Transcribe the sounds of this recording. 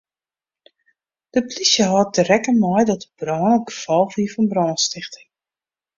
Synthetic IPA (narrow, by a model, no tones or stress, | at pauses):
d̥əplisjəɦɔt̚dərɛkənmɔjdɔtəb̥rɔːnəɡ̥əfɔlˠfiəfɔnbrɔːnstɪxtə